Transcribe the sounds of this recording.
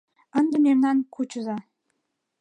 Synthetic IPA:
ənd̪ə̆mernɑnkʰut͡ɕəzɑ

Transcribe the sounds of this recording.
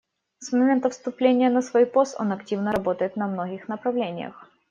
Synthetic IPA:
smɐmʲent̪əfst̪ʊplʲenʲɪjənəsvojpo̞st̪o̞̰nɐktʲivnəɾɐbo̞t̪əjɪt̪nɐmno̞ɡʲɪxnəpɾɐvlʲenʲɪ̰jə̰x

